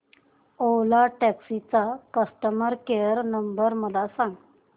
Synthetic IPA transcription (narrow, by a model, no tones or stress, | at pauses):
olaʈɛksit͡sakəsʈəməɾkejəɾnəmbəɾməd̪ʱasãŋɡ